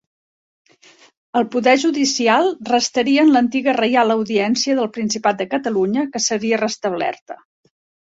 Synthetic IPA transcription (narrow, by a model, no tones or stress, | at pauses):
əlˠpuðɛʒuðisialˠrəst̪əɾiəːnlənt̪iɣərəjalˠəwðiɛnsiəðəlˠpɾinsipat̪̚d̪əkət̪əluɲəkəsəɾiərəst̪əβlɛ̰rt̪ə